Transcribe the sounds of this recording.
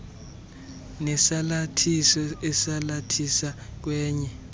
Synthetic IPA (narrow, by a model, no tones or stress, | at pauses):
nɛsalatʰisɔɛsalatʰisak̬wɛːɲɛ